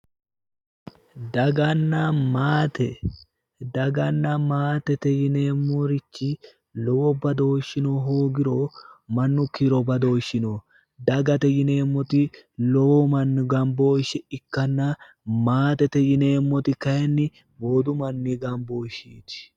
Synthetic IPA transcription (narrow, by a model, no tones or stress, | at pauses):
d̪ɐɡɐnːɐmaːt̪ɛ | d̪ɐɡɐnːɐmaːt̪ɛt̪ɛjɪne̞ːmːɔɾɪt͡ʃːɪ | lɔwɔbɐd̪o̞ːʃːɪnoɦoːɡɪɾomɐnːʊkiɾɔbɐd̪o̞ːʃːɪnoː | d̪ɐɡɐt̪ɛjɪne̞ːmːɔt̪ɪlɔwɔmɐnːʊɡɐmbo̞ːʃɛɪkːɐnːɐ | maːt̪ɛt̪ɛjɪne̞ːmːɔt̪ɪkɐjɛnːɪ | boːd̪ʊmɐnːiɡɐmboːʃiːt̪ɪ̥